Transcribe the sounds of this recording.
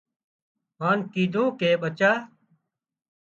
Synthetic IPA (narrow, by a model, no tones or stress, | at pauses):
ɦaːnkiːd̪ʱũːkeːɓət͡ʃaː